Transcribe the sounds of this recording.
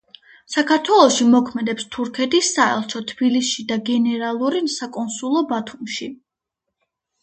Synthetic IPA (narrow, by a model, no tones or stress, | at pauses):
sakʰaɾt̪ʰwɛlˠɔʃimɔkʰmɛd̪ɛpst̪ʰuɾkʰɛt̪ʰisːaɛ̰lˠt͡ʃʰɔt̪ʰb̥ilisʃid̪aɡɛnɛɾalˠuɾisakʼɔnsulˠɔbat̪ʰumʃi